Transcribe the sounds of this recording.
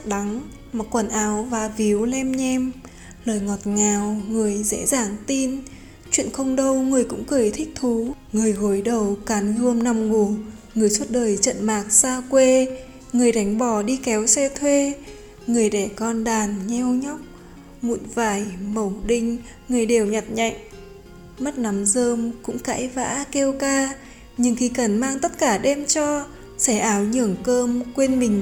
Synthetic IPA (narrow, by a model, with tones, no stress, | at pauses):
ɗa˨˦ŋ | ma˨˩kwə˧˩nʔaː˨˦wvaː˨˩vi˨˦əwlɛ˧mɲɛ˧m | ləː˨˩jŋɔ˨˩t̚ŋaː˨˩wŋɨ˨˩əjzḛ˧˥zaː˧˩ŋt̪i˧n | t͡ɕwḭ˧˨ənxə˧wŋ͡mɗə˧wŋɨ˨˩əjkʊ̰˧˥ŋ͡mkɨ˨˩jt̪ʰï˦˥k̚t̪ʰu˨˦ŋɨ˨˩əjɣo˨˦jɗə˨˩wkaː˨˦nɣɨ˧əmna˧mŋu˧˩ | ŋɨ˨˩əjsu˦˥t̚ɗəː˨˩jt͡ɕə̰˧˨nmaː˨˩k̚saː˧kwe˧ | ŋɨ˨˩əjɗa˨˦jŋ̟ɓɔ˧˩ɗi˧kɛ˨˦wsɛ˧t̪ʰwe˧ | ŋɨ˨˩əjɗɛ˧˩kɔ˧nɗaː˨˩nɲɛ˧wɲɔ˦˥wk͡p̚ | ŋṵ˧˨nvaː˧˩jmə˨˧˩wɗï˧ŋ̟ | ŋɨ˨˩əjɗe˨˩wɲa˨˩t̚ɲa̰˧˨jŋ̟ | mə˦˥t̚na˨˦mzəː˧mkʊ̰˧˥ŋ͡mka̰ː˧˥jva̰ː˧˥ke˧wkaː˧ | ɲɨ˧ŋxi˧˩kə˨˩nmaː˧ŋt̪ə˦˥t̚kaː˧˩ɗɛ˧mt͡ɕɔ˧ | sɛ˧˩ʔaː˨˦wɲɨ˧˩əŋkəː˧mkwe˧ənmï˨˩ŋ̟